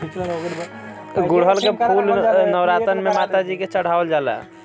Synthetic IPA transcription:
ɡuɽɦəlkepulnəwɾat̪ənmemat̪ad͡ʒiket͡ʃəɽ̤aəld͡ʒalə̰

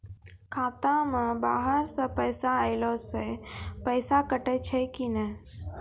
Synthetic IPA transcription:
kʰaːt̪ãmə̃baːɦəɾsə̃pəːsaəɪlosepəɪsakəʈet͡ʃʰɛkinə

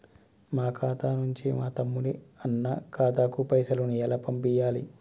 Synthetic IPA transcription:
maːkʰaːt̪aːnuɲt͡ʃimaːt̪ɐmːuniɐnːɐkaːt̪aːkupɐjsɐlunijɐlɐpɐmpijaːlḭ

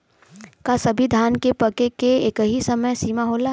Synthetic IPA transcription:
kasɐbʱid̪ʱaːnkepɐkekeeːkɦisɐməjsiːmaɦoːla

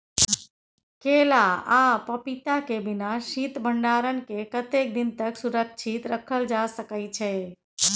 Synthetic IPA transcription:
kelaapəpit̪akebinaʃit̪bʱəɳɖaɾənkekət̪ek̚d̪int̪əksuɾək̚t͡ʃʰit̪ɾəkʰəld͡ʒasəkəjt͡ʃʰɛ

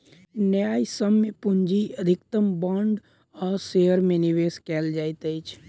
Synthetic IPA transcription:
njaːjsəmːepʊɲd͡ʒiəd̪ʱɪkt̪əmbãːɳɖ | ɔːɾseːəɾmẽnɪʋeːskɛːld͡ʒaːit̪əit͡ʃʰ

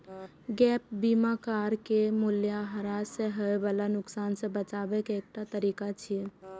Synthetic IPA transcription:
ɡɛːp̚biːmakaːɾkemʊljaɦəɾaːseɦəebəlanʊksaːnsebət͡ʃaːbekeːk̚t̪at̪əɾiːkat͡ʃʰi

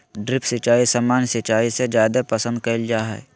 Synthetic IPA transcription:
ɖɾɪpsɪt͡ʃaːisamaːnsɪt͡ʃaːised͡ʒjaːd̪epəsə̃nd̪̚kəɪld͡ʒaːɦɛ̰ː

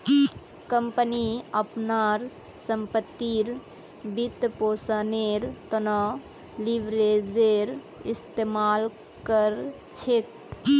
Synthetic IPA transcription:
kəmpəniəpnaɾ | səmpət̪ːiɾ | bit̪posaneɾt̪ənɔ | liʋɾed͡ʒeɾ | ist̪emal | kəɾ | t͡ʃʰek

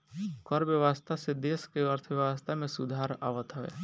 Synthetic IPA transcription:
kəɾbjəʋast̪ʰased̪eːskeəɾt̪ʰʋjəʋəst̪ʰamẽsʊd̪ʱaːɾa̰ːʋət̪ɦəḛː

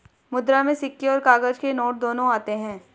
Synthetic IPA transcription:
mʊd̪ɾamẽsɪkːeɔːɾkaːɡəd͡ʒkenoːʈ̚d̪oːnõaːt̪eɦɛ̃ː

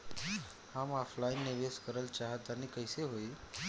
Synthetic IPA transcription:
amɔpʰlainːeʋeskəɾəlt͡ʃaɦət̪anikəjseɦoi

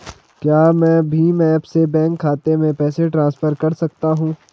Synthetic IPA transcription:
kjaːmɛ̃ːbʱimɛ̃ːɐbsebɛ̃ːŋkʰːaːt̪emẽpɛːseʈɾãːnsfəɾkɐɾsɐk̚t̪aɦũː

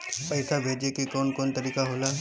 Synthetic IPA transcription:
pɐɪsabʱeːd͡ʒekikoːnkoːnt̪ɐɾiːkaɦoːlaː

